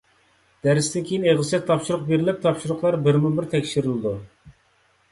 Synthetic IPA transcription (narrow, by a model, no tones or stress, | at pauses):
d̪̥æɾɪst̪ɪnkʲʰejineʁlɨsɨt̪ʰːɑpʃuɾʊqbeɾɪlɪp̚t̪ʰɑpʃuɾʊqlˠɑɾbɪɾmubɪɾt̪ʰɛkʲʃiɾɪlˠɨd̪u